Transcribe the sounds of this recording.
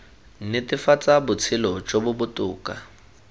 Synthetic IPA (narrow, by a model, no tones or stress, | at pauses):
n̩nɪtʼɪfat͡sʼabʊt͡sʰɪlɔt͡ʃʼobʊbʊtʼʊːkʼa